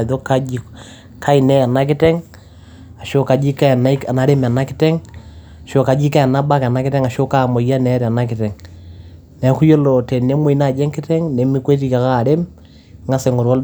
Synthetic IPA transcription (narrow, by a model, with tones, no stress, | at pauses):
ðo˦ka˦d͡ʒi | kʰa˦i˨nɛ˦ja˨na˦k̬e˦tɛ˦ŋ | a˨ʃo˦ka˨d͡ʒi˦ka˦˨na˦i˦a˨na˨ɾe˦m˨a˨na˦ki˦tɛ˦ŋ | a˨ʃo˨ka˨d͡ʒi˦ka˦a˨na˦ba˦ka˨na˦ke˦tɛ˦ŋa˨ʃo˦ka˦˨mo˨ja˦nɛ˨˦ɾa˨na˦kɪ˨tɛ˨ŋ | nɛ˨ku˦jo˦lɔ˨tɛ˨nne˦mwe˨i˨na˨d͡ʒɛ˦ŋke˦tɛ˦ŋne˨mi˦kwe˦t̬i˦ka˨ka˦˨ɾe˦m | ŋa˦se˨ŋɡo˨ɾɔ˦l